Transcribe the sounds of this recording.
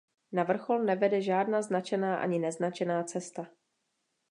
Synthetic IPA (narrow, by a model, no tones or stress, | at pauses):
navr̩xo̞lnɛvɛdɛʒaːdnaːznat͡ʃɛnaːʔa̰ɲɪnɛznat͡ʃɛnaːt͡sɛst̪a